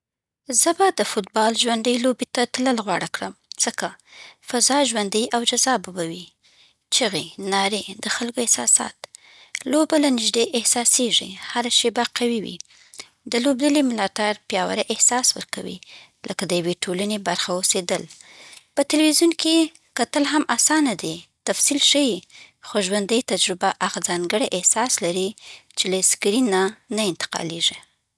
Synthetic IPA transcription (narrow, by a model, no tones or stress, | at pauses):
zəbad̪əfʊt̪̚bɑlʒwand̪əjlobet̪at̪ləlɣwɑɽakɽəmz̥əkafazɑʒwand̪əjawd͡ʒazɑbabawi | t͡ʃəɣenɑɾed̪̥əxalkoehsɑ̰sɑ̰t̪ | lobalanɪʒd̪eʔɪhsɑseʐḭhaɾaʃebaqawiwḭ | d̪əlobd̪əlimɪlɑt̪aɾpjɑwa̰ɾeʔɪhsɑswə̰ɾkawḭ | lʔəkad̪əjaweʈʰolanebaɾxaosed̪əlpət̪ɪlwizjunke | kat̪əlɦamʔasɑnad̪et̪afsilʃəjixoʒwand̪əjt̪ad͡ʒɾʊbaʔaɣazɑŋɡəɽeʔɪhsɑslaɾit͡ʃelaskɾinːanaɪnt̪ɪ̥qɑ̰leʐi